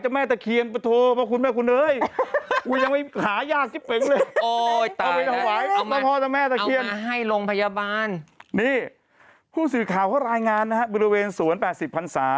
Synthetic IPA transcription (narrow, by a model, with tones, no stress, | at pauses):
t͡ɕa˨˩mɛː˥˩t̪ɛː˨˩kʰi˧ənpa˧t̪ʰoː˧pʰɔ˦˥˩kʰu˧nmɛː˥˩kʰu˧nlɤː˧jkuː˧ja˧ŋma˥˩jhaː˩˦jaː˥˩k̚t̪ʰiː˦˥˩pe˨˩˦ŋlɤː˧o˧ɔ˧˩pa˧t̪ʰa˧˩waː˩˦j̪ɔː˦˩pʰɔː˦˧˩t̪a˨˧mɛː˥˩t̪ɛː˨kʰi˧ən˧ɦa˥˩jlo˧ŋpʰa˧jaː˧baː˧nniː˥˩ | pʰuː˥˩sɯː˨˩kʰaː˨˩wkʰɔ˦˥˩ɾaː˧jŋaː˧nːa˦˥kʰa˦˥bɔː˧ɾi˧weː˧nsuː˨˩˦ənpɛː˨˩t̪̚si˨˩pʰːa˧nsaː˩˦